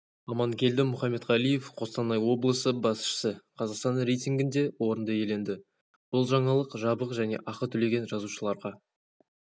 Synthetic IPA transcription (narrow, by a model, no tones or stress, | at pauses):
ɑmɑŋkʲʰe̞ld̪ɪmʊχɑmːe̞t̪ʁɑlˠije̞fqʰo̞st̪ɑnɑjwo̞blˠəsəbɑsʃə̥səqʰɑzɑqst̪ɑnɾe̞jt̪ʲiŋɡʲɪnd̪e̞wʔo̞ɾənd̪əje̞le̞nd̪ɪ | b̥ʊlˠʒɑɴɑlˠəqʒɑbəqʒæne̞̰ʔɑqət̪ʰʏle̞ɡʲe̞nʒɑzuʃəlˠɑɾʁɑ